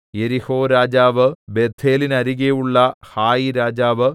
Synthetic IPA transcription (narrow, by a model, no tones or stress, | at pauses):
je̞ɾiho̞ːɾaːd͡ʑaːʋɨbed̪ʱeːlinɐɾiɣejuɭːɐhaːjiɾaːd͡ʑaːʋɨ